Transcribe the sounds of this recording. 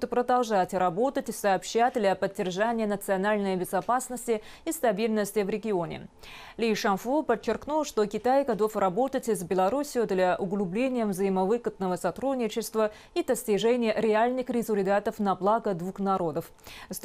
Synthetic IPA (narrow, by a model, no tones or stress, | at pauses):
t̪pɾəd̪ɐlˠʐatʲrɐbo̞t̪ətʲɪsɐːpɕːæt̚ʲd̪lʲɐpədʲːɪrʐanʲɪjənət̪sɨɐnalʲnəjbʲɪzɐpasnəsʲtʲɪist̪ɐbʲilʲnəsʲtʲɪvɾʲɪɡʲɪo̞nʲɪ̰ | lʲɪʂɐnfupət͡ɕːɪrknulˠʂt̪o̞kʲɪt̪ajɡɐd̪o̞frɐbo̞t̪ətʲɪzbʲɪlˠɐɾusʲɪjʊd̪lʲaʔʊɡlʲˠʊblʲenʲɪjəvzəjɪməvɨkət̪nəvəsɐt̪ɾudʲnʲɪt͡ɕɪst̪və | id̪əsʲtʲɪʐɛnʲɪjəɾʲɪalʲnɨxɾʲɪzʊlʲɪd̪at̪əfnɐblˠaɡəd̪vuxnɐɾo̞d̪əf | s